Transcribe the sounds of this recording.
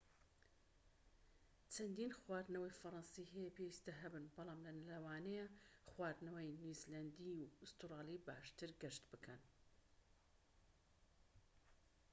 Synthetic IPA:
t͡ʃʰɐnd̪iːnxwaːd̪nɐwɐjfɐɾˤɑnsiɦɛjɛpʰewist̪ɐɦɐbɨnbɑlˠɑːmlɐnlɐwaːnɛjɐχwaːd̪nɐwɐjnuzlɐnd̪iuɨst̪ɾɑːlˠiba̰ːʃt̪ɨɾɡɛʃt̪bɨkʰɐn

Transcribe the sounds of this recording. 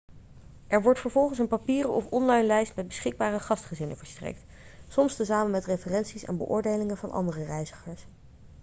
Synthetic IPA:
ʔɛɹʋɔɹtfəɹvɔlˠχəns̬ənpapiːrɔ̰fɔnlɑjnlɛjstmɛd̚bəsχɪɡ̚baːrəχɑstχəzɪnənvəɹstrɛ̰jk̚t | sɔmstəzaːmənmɛtrefərɛnsisɛ̰nbə̰ʔʊ̰ːɹdejlɪŋənvɑnʔɑ̰ndərərɛjzəχəɹs

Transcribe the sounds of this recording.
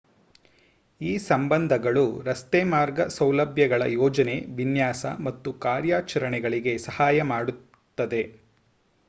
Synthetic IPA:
iːsɐmbɐnd̪ʱɐɡɐɭuɾɐst̪ɛːmaːɾɡɐsɐwlɐbʱjɐɡɐɭɐ̰jɔːd͡ʒɐne̞ʋinjaːsɐ̰mɐt̪ːukaːɾjaːt͡ʃɐɾɐɳɛɡɐɭiɡe̞sɐhaːjɐmaːɽut̪ːɐd̪e̞

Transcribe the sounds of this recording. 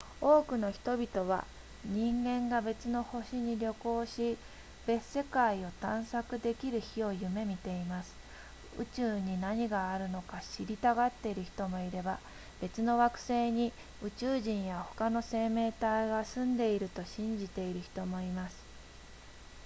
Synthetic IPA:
o̞ːkɯ̟no̞çi̥t̪o̞bʲit̪o̞β̞a̰ | ɲ̟ĩŋɡẽ̞ŋɡabe̞t͡sɨno̞ho̞ɕiɲ̟iɾʲo̞ko̞ːɕi | b̥e̞sːe̞kaio̞t̪ãɰ̃sakɯ̟d̪e̞kʲiɾɯ̟çio̞jɯ̟me̞mʲit̪e̞imasɨ̥ | ɯ̟̰t͡ɕɨːɲ̟inaɲ̟iɡaːɾɯ̟no̞kaɕiɾʲit̪aɡat̪ːe̞iɾɯ̟çi̥t̪o̞mo̞iɾe̞ba | b̥e̞t͡sɨno̞βakɯ̟̥se̞ːɲ̟i | ɯ̟t͡ɕɨːʑĩɰ̃jaho̞kano̞se̞ːme̞ːt̪aiɡasɨ̃nd̪e̞iɾɯ̟t̪o̞ɕĩɲ̟d͡ʑit̪e̞iɾɯ̟çi̥t̪o̞mo̞imasɨ̥

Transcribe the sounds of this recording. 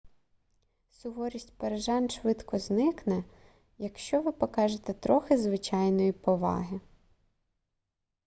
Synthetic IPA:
sʊɦɔɾʲisʲtʲpeɾeʒɑnʃʋɪd̪kɔznɪknɛ | jɐkʃt͡ʃɔʋɪpɔkɑʒet̪ɛt̪ɾɔxɪzʋɪt͡ʃɑjnɔjipɔʋɑ̰ɦɪ

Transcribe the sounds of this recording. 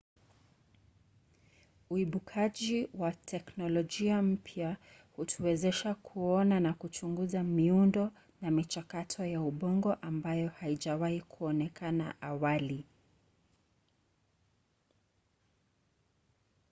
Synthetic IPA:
uiɓukʰaʄiwatʰɛknɔlɔʄiam̩pʰja | hutʰuwɛzɛʃakʰuɔnanakut͡ʃuŋɡuzamiundɔ | namit͡ʃakatʰɔjauɓɔŋɡɔʔambajɔhaiʄawahikʰuɔnɛkana̰ʔawali

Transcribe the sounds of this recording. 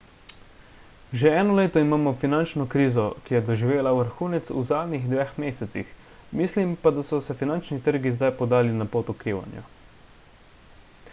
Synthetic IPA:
ʒeɛːnɔleːt̪ɔimaːmɔfinant͡ʃnɔkɾiːzɔkijɛd̪ɔʒiʋeːlauʋəɾxuːnɛt̪sṵzaːd̪nʲiɣd̪ʋexmeːsɛt̪sḭx | mislimpad̪asɔsɛfinant͡ʃnit̪əɾɡizd̪ajpɔd̪aːlinapoːt̪ukɾiːʋa̰njɔ̰

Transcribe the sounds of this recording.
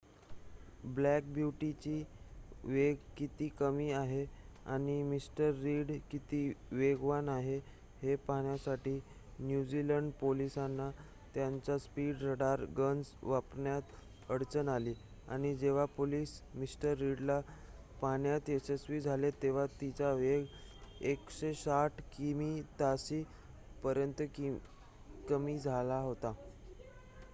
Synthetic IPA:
blæk̚bjuʈit͡ɕiːʋeɡkit̪iːkəmiːaɦea̰ɽ̃imisʈəɾːiːɽkit̪iːʋeɡʋanaɦe | hepaɳjasaʈiː | njud͡ʑiləɳɖpolisanːa | t̪jaɲt͡ɕaspiɽɾəɽaɾɡənsʋapɳjat̪ | əɽt͡sənaliː | a̰ɽ̃id͡ʑeʋ̤apoliːsmisʈəɾːiɽla | paɳjat̪esesʋiːd͡zʱalet̪eʋ̤at̪it͡ɕaʋeɡekɕesaʈʰkimit̪asiː | pəɾjənt̪əki | kəmiːd͡zʱalaɦot̪a

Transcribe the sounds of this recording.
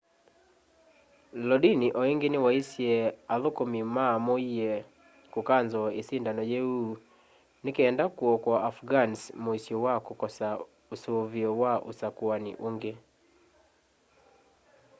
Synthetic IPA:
lɔdiniʔɔeŋɡenewaisjɛaðokomimamoiɛ | kokanzɔesindanɔjɛu | nekeːndakuɔkwaʔafɡansmoisjowakokɔsa | osoβiɔwaʔo̰sakwanḭʔoŋɡe

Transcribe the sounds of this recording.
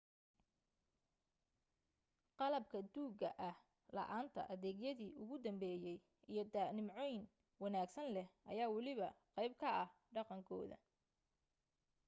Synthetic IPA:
qɑlɐbkʰɐd̪uːɡɐʔɐh | lɐ̰ʔaːnt̪ʰɐ̰ʔɐðɛːɡjɐðiːʔʊɣʊd̪ɐmbɛːjɛj | ʔijɞd̪aːnɪmʕɔjn | wɑnaːɡsɐnlɛhʔɐjaːwɑlɪβɐqɑjb̚kʰɐɐh | ɖɑqɑŋkʰɔ̰ːðɐ̰

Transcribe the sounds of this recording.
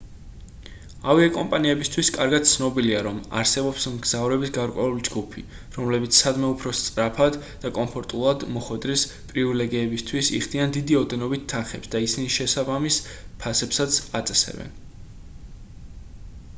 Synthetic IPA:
aviɛkʼɔmpʼaniɛbist̪ʰwiskʼaɾɡad̪̚t̪sʰnɔbiliaɾɔma̰ɾsɛbɔpsmɡzavɾɛbisɡaɾkʼwɛulid͡ʒɡupʰi | ɾɔmlɛbit̪sʰsad̪mɛupʰɾɔst̪sʼɾapʰad̪ | d̪̥akʼɔmpʰɔɾt̪ʼulˠad̪mɔχwɛd̪ɾis | pʼɾivilɛɡiɛbist̪ʰwisḭχd̪iand̪id̪iɔd̪ɛnɔbit̪ʰːanχɛpsd̪aisiniʃɛsabamispʰasɛpsat̪sʰat̪sʼɛsɛ̰bɛ̰n

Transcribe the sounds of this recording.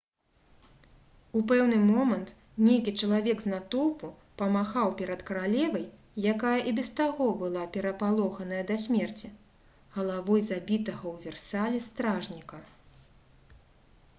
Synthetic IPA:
upɛwnɨmɔmɐnt̪ | nʲejkʲit͡ʂɐlˠavʲɛɡznat̪ɔpu | pɐmaxawpʲɛɾɐt̪kɐɾalʲɛvɐjː | akajɐʔibʲɛst̪aɣɔbɨlˠapʲɛɾɐpalˠɔxɐn̪ɐjɐd̪ɐsʲmʲɛrt͡sʲi | ɣɐlˠavɔjzabʲit̪ɐɣɐwvʲɛrsalʲist̪ɾaʐnʲikɐ

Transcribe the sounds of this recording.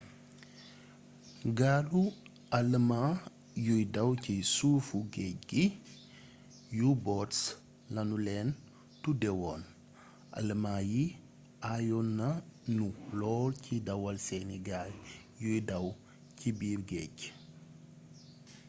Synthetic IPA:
ɡaːlu | ɐləma | jujdɐwcisufuɡɛc̚ɡi | jubɔts | lɐnulɛːn | tudɛwɔn | ʔɐ̰ləmaji | ajɔnːɐnulɔːlcidɐwɐlseniɡal | jujdɐw | cibiːɾɡɛ̰ːɟ

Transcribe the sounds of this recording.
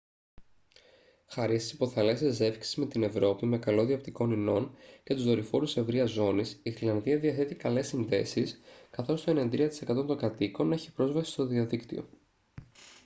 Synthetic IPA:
xɐɾist̪i̥sipo̞θɐle̞seze̞fi̥ksi̥zme̞t̪ine̞vɾo̞pime̞kɐlo̞ðiɐpt̪iko̞nino̞nce̞t̪uzðoɾifo̞ɾuse̞vɾiɐzo̞nisiθilɐnðiɐðiɐθe̞t̪ikɐle̞sinðe̞̰siskɐθo̞st̪oe̞nend̪ɾiɐt̪ise̞kɐt̪ont̪o̞ŋɡɐt̪iko̞ne̞çipɾo̞zvɐsi̥st̪o̞ðiɐðikt̪ḭo̞̰

